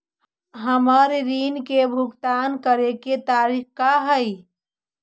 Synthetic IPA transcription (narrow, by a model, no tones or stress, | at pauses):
ɦəməɾɾinkebʱuɡt̪ankəɾeket̪aɾikkaɦəj